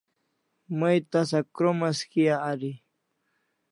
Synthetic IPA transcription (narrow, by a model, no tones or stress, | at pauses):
majt̪asakɾomaskijaːɾi